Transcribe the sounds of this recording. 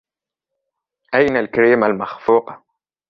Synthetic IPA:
ʔajnalkaɾiːmalmaxfuːqɑ

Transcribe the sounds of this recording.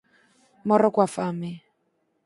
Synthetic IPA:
mɔɾɔkwafamɛ

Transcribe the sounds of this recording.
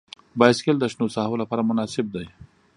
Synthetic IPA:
bɑjɪskeld̪əʃnosɑɦolapɑːɾamʊnɑsɪb̚d̪aj

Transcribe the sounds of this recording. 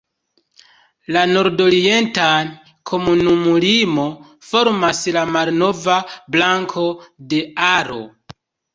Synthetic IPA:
lano̞ɾdo̞ɾie̞nta | kʰo̞munumulimo̞ | fo̞ɾmaslamalno̞vablaŋkʰo̞de̞aɾo̰

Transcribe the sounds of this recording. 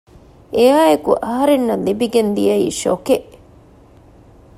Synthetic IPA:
ʔejaːjekuʔɐɦɐɾenːɐnlibiɡend̪ḭjɐḭːʃokeʔ

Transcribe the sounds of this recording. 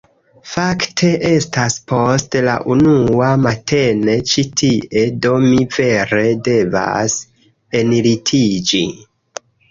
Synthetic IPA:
faktʰe̞ʔe̞staspo̞stla̰ʔunuamatʰe̞ne̞t͡ʃitʰiʔe̞do̞mive̞ɾe̞de̞va̰s | eniɾitʰid͡ʒi

